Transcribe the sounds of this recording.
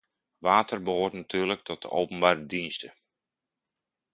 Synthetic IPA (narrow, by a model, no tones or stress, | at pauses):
ʋaːtərbəɦoːrtnatʰyːrlək̚tʰɔt̚də̰ʔowpənbaːrədinstə